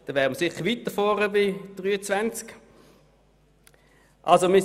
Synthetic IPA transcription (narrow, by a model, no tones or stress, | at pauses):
d̥̪ɛʋɛːʁməsɪχʋit̪əfɔːʁəbɪd̥ʁyːət͡svænt͡sk | ʔa̰lsomɪ